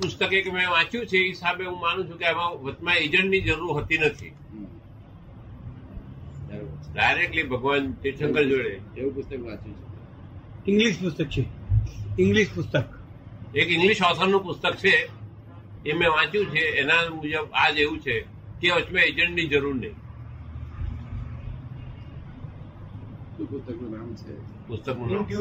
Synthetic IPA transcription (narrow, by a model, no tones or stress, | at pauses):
pʊst̪əkekemẽʋãt͡ʃjũt͡ʃʰeːɦisabeũmanũt͡ʃʰũkeamãʋət͡ʃmãed͡ʒəɳʈnid͡ʒəɾuɾɦət̪inət̪ʰḭ | əɾɖajɾek̚ʈlibʱəɡʋant̪iɾʃə̃ŋɡəld͡ʒoɭeeũpʊst̪əkʋãt͡ʃjũt͡ʃʰe | ɪ̃ŋɡliʃpʊst̪ək̚t͡ʃʰe | ɪ̃ŋɡliʃpʊst̪ək | ekɪ̃ŋɡliʃɔsəɾnũpʊst̪ək̚t͡ʃʰe | emẽʋãt͡ʃjũt͡ʃʰeːnãmũd͡ʒəbad͡ʒeʋũt͡ʃʰe | keʋət͡ʃmẽed͡ʒə̃ɳʈnĩd͡ʒəɾuɾnẽĩ | upʊst̪əknũnamt͡ʃʰḛpʊst̪əknũn